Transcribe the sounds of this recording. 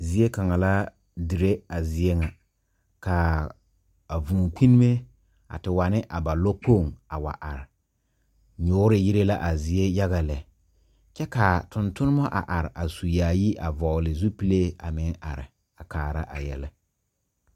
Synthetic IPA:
zi˦e˦ka˨ŋa˨la˦ | di˨ɾe˦a˨zɪ˨e˦ŋa˨ | ka˨ | a˨vũː˨kʷi˦n˦me˦ | a̰˨tɪ˨wa˨nɪ˦ʔa˨ba˨lɔ˦k͡po˦˨ŋa˨wa̰˨ʔa̰˨ɾɪ˨ | ɲʊː˦ɾɪ˨ji˦ɾe˦la˦ʔa˨zɪ˨e˦ja˦ɣa˨lɛ˨ | t͡ʃɛ˦ka˨tʊ˨ntʊ˦nɪ˦mɔ˦ʔa̰˨ʔa˨ɾɪ˨ʔa˨su˨jaː˨ji˦ʔa˨vɔ˨lɪ˨zu˦pi˦le˦a˨mɪ˦ŋa̰˨ɾɪ̰˨ | a˨kaː˨ɾa̰˦ʔa̰˨jɛ̰˨lɛ˦

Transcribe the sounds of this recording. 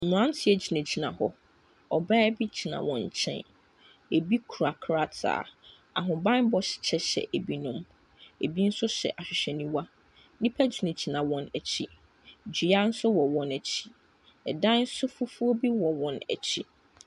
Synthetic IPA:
nʊ̃˨ã˦tʰɪ˨ɛ˨d͡ʑi˨nã˨d͡ʑi˨nã̰˨hɔ˦ | ɔ˨ba˦bi˦d͡ʑi˨nã̰˨wɔ̰̃˨ɲ˨t͡ɕʰɛ̰̃˦n | e˨bi˦kʰu˨ɾa˨kʰɾa˦˨tʰa̰ː˨ | a̰˨ɦʊ̃˨bã˦n˦bɔ˦ɕɪ̥˨t͡ɕʰɛ˦ɕɛ̰˨ʔe˨bi˦nʊ̃˦m | e˨bi˦n̩˦sʊ˦ɕɛ̰˨ʔa˨ɕᶣɪ˨ɕɛ˨nĩ˦wa˦ | nĩ˦pʰæ˦d͡ʑi˨nẽ˨d͡ʑi˨nã˨wɔ̃˨næ˨t͡ɕʰi˦ | d͡ʑi˨a˦n̩˦sʊ˦wɔ˨wɔ̃˨næ˨t͡ɕʰi̥˦ | ɛ˨dã˦n̩˦sʊ˦fʊ˦fu˦o˦bi˦wɔ˨wɔ̃˨næ̰˨t͡ɕʰi˦

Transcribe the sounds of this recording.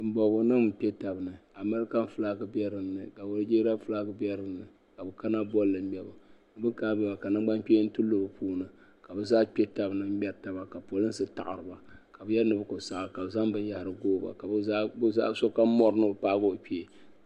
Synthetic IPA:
m̩˨bɔ˨ɡo˨˦nɨ˦m˨pe˦ta˨bɨ˨nɨ˨a˨mɨ˦ɾɨ˦ka˦m˦fɨ˦la˦ɡɨ˦bɛ˦ɾɨ˨nːɨ˨ka˨wo˨ɾɨ˦d͡ʒeː˦ɾa˦fɨ˦la˦kɨ˦bɛ˦ɾɨ˦n˦nɨ˨ | ka˨bɨ˨ka˦na˦bɔ˦lːɨ˨m̩˦mɛ˨ba˨˦ | bɨ˦kaː˦bɛ˦˨ba˨ka˨nɨ˦ɡ͡ba˦ŋk͡pe˦n̩˦tu˦lːɨ˦˨bɨ˨puː˦nɨ˨ka˨bɨ˦zaː˦k͡pe˦ta˨bɨ˨nɨ˨m̩˦ɛ˨ɾta˨˦ba˨ka˨po˨lɨ˦n˦sɨ˦ta̰˨ʔɨ̰˨ɾɨ˨ba˨ka˨bɨ˦jɛ˦nɨ˦bɨ˦ko˨sa˨ʔka˨bza˦mbɨ˦ja˨hɾɨ˨ɡoː˦ba̰˨ka˨bɨ˦zaː˦bza̰˦so˦ka˦mɔ˦ɾɨ˦nɨ˦˨paː˦ɡo˦˨pi˦e˨

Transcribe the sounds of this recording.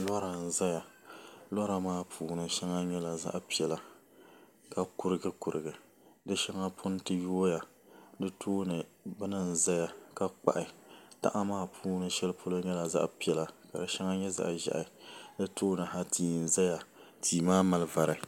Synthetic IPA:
lɔ˦ɾa˨n̩˨za˦ja˨lɔ˦ɾa˨maː˦pʰuː˨nɨ˦ʃa˦ŋa˦ɲɛ˦la˨za̰˦ʔpi˨ɛ˨la˨ | ka˨kʊ˨ɾɨ˦ɡɨ˦kʊ˨ɾɨ˨ɡɨ˨ | dɨ˦ʃa˦ŋa˦pʰʊ˦n˦tɨ˦jo˦ja˨ | dɨ˦tʰoː˦nɨ˨bɨ˦nɨ˦n̩˨za˦ja˨ka˦k͡pa̰˨ʔɪ˨ta̰˦ʔa˦maː˦pʰuː˦nɨ˦ʃɛ˦lpʰo˦la˦ɲɛ˦la˨za̰˦ʔpi˨ɛ˨la˨ka˨dɨ˦ʃa˦ŋa˦ɲɛ˦za̰˦ʔʒa̰˨ʔa˨dɨ˦toː˦nɨ˨ha˦tʰiː˨n̩˨za˦ja˨tʰiː˨maː˦ma˨lɨ˦va˨ɾɨ˨

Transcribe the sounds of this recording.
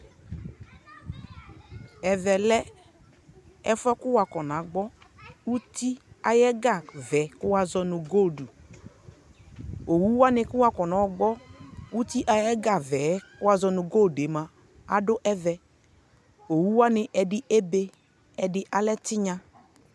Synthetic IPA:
ɛ˨vɛ˨lɛ˦ | ɛ˦fɔ˦kʊ˦wa˨kɔ˨na˨ɡ͡bɔ˦u˦ti˦a˨jɛ˦ɡa˦˨vɛ˨˦kʊ˦wa˨zɔ˧nʊ˨ɡo˦˨du˨ | o˨wu˦wa˦nɪ˦kʊ˦wa˦kɔ˨nɔ˨ɡ͡bɔ˦u˦ti˦ʔa˨jɛ˦ɡa˦˨vɛ˨˦kʊ˦wa˦zɔ˧nʊ˨ɡo˦˨de˨˦ma˨ | a̰˨dʊ˦ʔɛ˦vɛ˨ | o˨wu˦wa˦nɪ˨ʔɛ˨dɪ˦ʔe˦be˦ | ɛ˨dɪ˦ʔa˨lɛ˦tɪ˦ɲa˧

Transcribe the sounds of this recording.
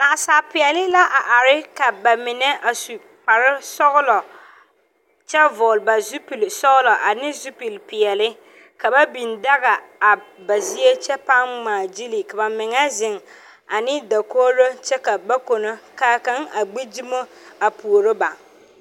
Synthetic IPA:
na˨ʔa˨saː˨pɪ˨ɛ˨lɪ˦la˦ʔa˨ʔa˨ɾɪ˦ka˨ba˨mɪ˨nɛ˦a˨su˨ | k͡pa˨ɾɪ˦sɔ˦ɣʊ˦lɔ˨ | t͡ʃɛ˦vɔ˨lba˨zu˦pi˨lsɔ˦ɣʊ˦lɔ˨ʔa˨nɪ˦zu˦pi˨lpɪ˨ɛ˨lɪ˦ | ka˨ba˦bi˨nda˦ɣa˨a˨ba˨zi˦e˦t͡ʃɛ˦pa˦ŋmaː˨d͡ʒi˦li˨ka˨ba˨mɪ˨ŋa˦zɪ˨ŋ | a˨nɪ˦da˨koː˦lo˦t͡ʃɛ˦ka˨ba˦ko˨no˦kaː˦ka˦ŋa˨ɡ͡be˦d͡ʒi˦mo˦ | a˨pu˨o˨ɾo˦ba˨

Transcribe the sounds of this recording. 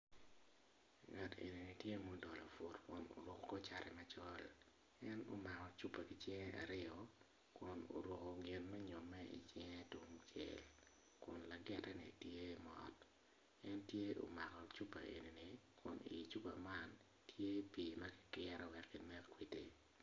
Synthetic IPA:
ŋa˨tḛ˨ni˨ni˨tje˦mo˦dɔ˨lɔ˨fu˨tkʊ˨no̰˨ɾo˨kkɔ˦t͡ʃa˦ɾɛ˨ma˨t͡ʃɔ˦l | ɛ˦no˨ma˨kɔ˨t͡ʃu˦pa˨ki˨t͡ʃe˦ŋɛ˦ʔa̰˨ɾɪ˦ɔ˨ | kʊ˨no̰˨ɾo˨ko˨ɡɪ˨nmɛ˦ɲɔ˨mɛ˦ʔḭ˨t͡ʃɛ˦ŋɛ˦tu˨mt͡ʃḛ˨l | kʊ˨nla˨ɡɪ˦tɛ˦nḭ˨tje˦mɔ̰˨t | ɛ˦ntje˦o̰˨ma˨kɔ˨t͡ʃu˦pːa˨ʔḛ˨ni˨ni˨kʰʊ˨nḭ˨t͡ʃu˦pa˨ma˦n | tʰje˦piː˨mɐ˦kɪ̥˦kɪ˦ɾɛ˦wɛ˨kːi˦mɛ˦kkwi˦ti˨

